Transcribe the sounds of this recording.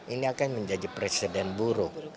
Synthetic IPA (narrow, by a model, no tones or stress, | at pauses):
iniakanməɲd͡ʒadipɾesidɛnbuɾu